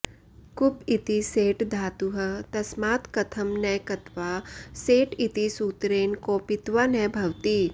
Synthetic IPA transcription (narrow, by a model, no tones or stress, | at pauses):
kʊpit̪iseːʈd̪ʱaːt̪uɦɐt̪ɐsmaːt̪kɐt̪ʰɐmnɛjkɐt̪ʋaːseːʈit̪isuːt̪ɾeːnkopɪt̪ʋanɛbʱɐʋt̪iː